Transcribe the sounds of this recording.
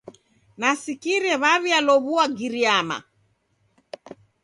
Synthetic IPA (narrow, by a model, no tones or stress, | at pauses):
nasikiɾɛβaβialɔβuaɡiɾiama̰